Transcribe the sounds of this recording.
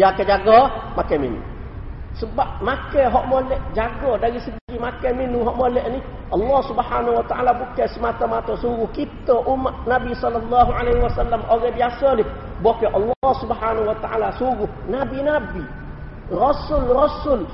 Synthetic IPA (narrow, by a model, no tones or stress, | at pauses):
jakːeɟaɡːomakemḭnṵ | subamakːeɦoʔmolːɛɟaɡːoːdaɡisibuɡimakːeminːuɦoʔmolːeʔni | ʔɑlːɑːsubħaːnawat̪aa̰ːlabukːesumat̪ːomat̪osuɡukit̪ːoʔumːanabisɔlːalːɑːɦuʕalehiwasalːamʔoɡebijasoni | bokːeʔɑlːɑsubħaːnahuwat̪aʔa̰lasuɡu | nabinabi | ɾɔsulɾɔsul